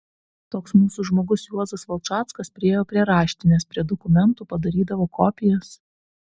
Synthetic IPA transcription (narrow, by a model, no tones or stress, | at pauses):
t̪oːksmuːsuːʒmoːɡʊsjuɔzɐsʋɐlˠt͡ʃɑːt̪skɐspʲɾʲɪeːjoːpʲɾʲiɛɾɑːʃʲt̪ʲɪnʲɛspʲɾʲiɛd̪ɔkʊmʲɛnˑt̪uːpɐd̪ɐɾʲiːd̪ɐʋoːkɔːpʲɪjɛs